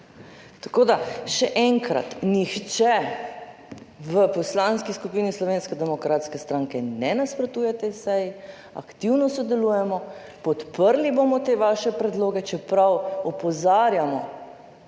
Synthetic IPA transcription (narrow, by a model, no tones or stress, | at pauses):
t̪akoːd̪aʃɛʔɛŋkɾa̰t̪nixt͡ʃɛ | ʋəpɔslaːnskiskupiːnislɔʋeːnskɛd̪ɛmɔkɾʔaːt̪skɛst̪ɾaːŋkɛnɛnaspɾɔt̪uːjɛt̪ɛsɛji | a̰kt̪iwnɔsɔd̪ɛluːjɛmɔpɔt̪pəɾlibomɔt̪eʋaʃɛpɾɛd̪loːɡɛt͡ʃɛpɾawɔpɔzaːɾjamɔ̰